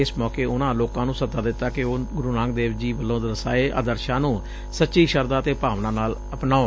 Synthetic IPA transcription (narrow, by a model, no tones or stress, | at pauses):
ɪsmɔːkeːʊnãːloːkãːnũːsəzaːd̪ɪt̪ːaːkɪoːɡʊɾuːnãːŋk̚d̪eːʋd͡ʒiːʋəlːõːd̪ɾəsa̰ːeːʔa̰ːd̪əɾʃãːnũː | sətːʃiːʃəɾd̪ãːt̪eːpaːʋnãːnaːləpnaːo